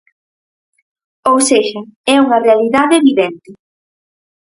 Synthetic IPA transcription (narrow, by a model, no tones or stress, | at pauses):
owseʃɐɛuŋɐrealiðaðeβiðɛnt̪ɪ